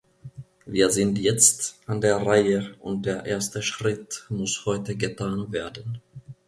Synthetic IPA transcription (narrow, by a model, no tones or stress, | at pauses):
viːɐzɪntjɛt͡stʔandeːɐʁaɪəʔʊnt̚d̥eːɐʔeːɐstəʃʁ̥ɪtmʊshɔʏtəɡətʰaːnveːɐdən̩